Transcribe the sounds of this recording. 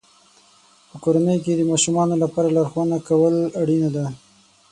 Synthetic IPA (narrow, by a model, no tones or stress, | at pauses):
pəkoɾanəjked̪əmɑʃumɑnolapɑɾalaɾxwanakawəlaɽinad̪a